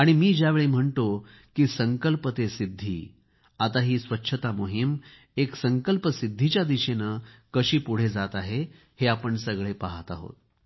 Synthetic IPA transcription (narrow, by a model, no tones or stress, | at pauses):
aɽ̃imiːd͡ʑjaʋeɭiːm̤əɳt̪o | kiːsəŋkəlpət̪esid̪ʱːḭː | at̪aɦiːsʋətːɕʰət̪amoɦim | eksəŋkəlpəsid̪ʱːit͡ɕjad̪iɕenəkəɕiːpuɽ̤ed͡zat̪aɦe | heapəɳsəɡɭepaɦat̪aɦo̰t̪